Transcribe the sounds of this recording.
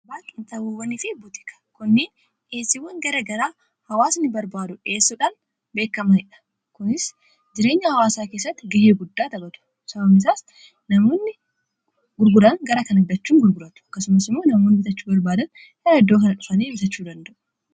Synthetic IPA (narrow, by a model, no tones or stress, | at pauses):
baːkʼɪnt̪ɐwuwɐnɪfɪbʊt̪ɪ̥kɐ̥kʊnːeːn | eːsːɪwːɐŋɡɐɾɐɡɐɾaː | hɐwaːsnɪbɐɾbaːd̪ʊᶑe̞ːsːɔᶑan | be̞ːkːɐmɐnɪᶑɐ̥ | kʊnɪs | d͡ʒɪɾe̞ːɲːɐhɐwaːsaːkeːsːɐt̪ːɪɡɐheːɡʊd̪ːaːt̪ɐbɐt̪ʊ̥ | sɐbɐmɪs̬aːs | nɐmo̞ːnːɪ | ɡʊɾɡʊɾɐnɡɐɾɐkɐnɐd̪ːɐt͡ʃːuːŋɡʊɾɡʊɾɐt̪ʊ̥ɐ̥kːɐsʊmɐsɪmːo̞ːnɐmoːnːɪbɪt̪ɐt͡ʃːubɐɾbaːd̪ɐn | hɛɾɐɛd̪ːoːkɐnɐᶑʊfɐneːbɪt̪ɐt͡ʃːuːd̪ɐnd̪ɐʔʊ̥